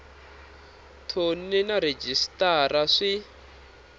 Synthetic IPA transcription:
tʰoninaɾed͡ʒistaraʂi

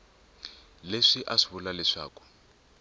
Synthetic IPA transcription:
leʂiʔaʂiβulalɛʂa̰ːku̥

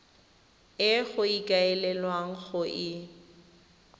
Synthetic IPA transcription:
ɪɣʊikʼaɛlɛlwaŋ̩ɣʊʔɪ

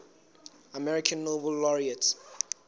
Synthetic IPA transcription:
amɛɹikʰə̃nːovəlːɔɹiət

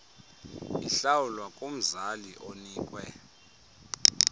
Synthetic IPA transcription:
ḭɬawulwakʼom̩zaliʔoniːkʼwɛ

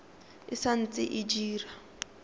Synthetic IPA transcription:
ɪsan̩t͡sʼɪ̰ʔɪd͡ʒiːra

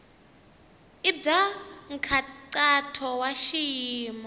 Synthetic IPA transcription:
ibb͡ʐaŋ̩kʰaǀatʰɔwaʃiːmɔ

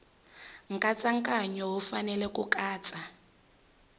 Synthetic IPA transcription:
ŋ̩kʼat͡sʼaŋkʼaɲɔɦufanɛlɛkukʼaːt͡sʼa

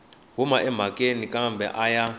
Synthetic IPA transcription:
ɦumaʔɛm̤akʼenikʼambɛ̰ʔaja

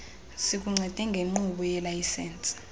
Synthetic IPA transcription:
sik̬uŋ͡ǀʱɛd̥ʱɛŋɡʱeŋ͡ǃuɓɔjɛlajsɛːnt͡sʼ

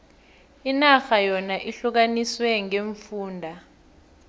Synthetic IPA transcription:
inaxajɔnaʔiɬuk̬aniswɛŋeɱfuːndʱa

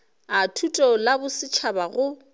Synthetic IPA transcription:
atʰutʼɔlabʊsɪt͡ʃʰabaɣʊ

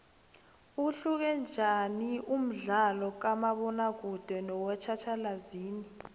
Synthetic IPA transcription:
uɬuk̬ɛnd͡ʒʱaniʔum̩ɮalɔk̬amaɓɔnak̬ud̥ʱwɛnɔwɛt͡ʃʰat͡ʃʰalaziːni

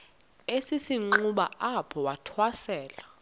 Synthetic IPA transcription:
esisiŋ͡ǃuɓa̰apʰɔwatʰwasɛːla

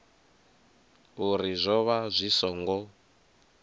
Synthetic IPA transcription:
uɾizʷɔβazʷisɔŋɡɔ

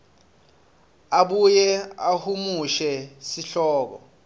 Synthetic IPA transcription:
aɓujɛahumuʃɛsiɬɔːk̬ɔ̰

